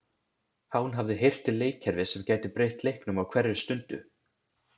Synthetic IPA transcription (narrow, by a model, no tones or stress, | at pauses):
haunɦavðɪɦejr̥t̪ɪleːjcʰɛɾvɪsɛmcaːjt̪ɪpɾejht̪lejhknʏmawkʰvɛɾɪɾɪ̥st̪ʏnt̪ʏ̰